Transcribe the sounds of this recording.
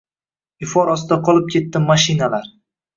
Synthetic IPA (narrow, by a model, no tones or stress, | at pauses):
ɪfɒɾɒst̪d̪aqʰɒlˠɪp̚kʲʰe̞t̪ːɪmaʃɪnalaɾ